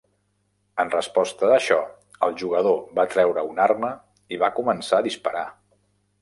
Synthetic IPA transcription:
ənrəspɔst̪əðəʃɔ | əlˠʒuɣəðoβat̪ɾɛwɾəunarmə | iβakumənsaəðispəɾa

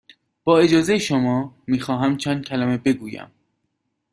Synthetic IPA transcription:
b̥ɒːe̞d͡ʒɒːzejeʃomɒːmiːxɒːɦæmt͡ʃʰænd̪̚cʲʰælæme̞be̞ɡuːjæ̰m

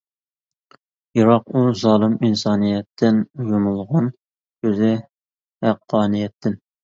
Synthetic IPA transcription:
jɑɾɑquzɑːlˠɨminsɑːnijɛt̪ʰːɪnjomulˠʁɑn | køzɪ | hæqʰːɑːnijɛt̪ʰːɪn

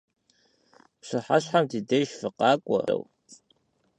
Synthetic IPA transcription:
pɕɨħaɕħamdiːdejʃfɨqɑːkʷʼɔ̰w

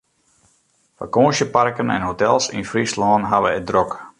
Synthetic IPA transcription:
fa̰koːnsjəparkənɛ̰nɦotɛlˠsinfrislɔːnɦaʋəɛdrok

